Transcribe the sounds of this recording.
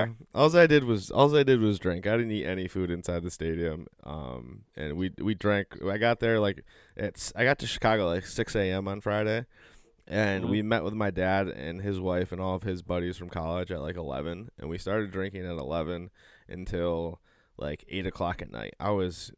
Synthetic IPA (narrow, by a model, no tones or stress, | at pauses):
ʔɔlˠzaɪdɨd̚wʌzɔ̰lˠzaɪdɨd̚wʌzdɹɪ̃ŋkaɪɾɪdⁿn̩iɾʔɛnifʉɾɨ̃nsaɪd̪̚ðɨsteɪɾiɨ̃mʔʌ̰̃mɨ̰̃nwiwidɹæ̃ŋkaɪɡɑt̪̚ðə˞laɪk | ʔɨtsaɪɡɑtʰɨʃɨ̥kʰɑɡoʊlaɪksɪkseɪɛ̃mə̃nfɹaɪɾeɪ | ʔɨ̃nwimɛʔwʔəðmaɪdæɾɨ̰̃nɪzwaɪfɨ̃nɔlˠʌv̥ɪzbʌɾiz̥fɹʌ̃mkʰɑlˠɪd͡ʒɨt̚ˡlʔaɪkəlɛ̰vɨ̃nɨ̰̃nwistɑɹɾɨdɹɪ̃ŋkɪ̃ŋɨɾə̰lɛvɨ̃nʔɨ̰̃ntʰɪlˠ | la̰ɪkʰḛɪɾɨkʰl̥ɑkɨtⁿna̰ɪt̚a̰ɪwʌz̥